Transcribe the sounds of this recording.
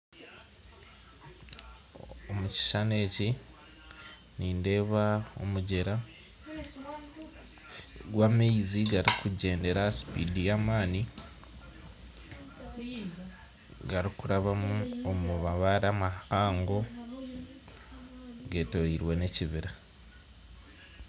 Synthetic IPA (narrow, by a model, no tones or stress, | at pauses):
omuci̥ʃane̞ːci | niːnde̞ːβao̰muɟe̞ɾa | ɡwameiziɡaɾikʰuɟe̞ːnde̞ɾasi̥pḭːdijamaːni | ɡaɾikuɾaβamuomuβaβaɾamaaːŋɡo̞ | ɡe̞toɾiɾwe̞ne̞ciβiɾa